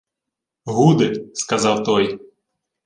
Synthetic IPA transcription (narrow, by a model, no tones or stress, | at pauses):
ɦud̪ɪskɐzɑwt̪ɔj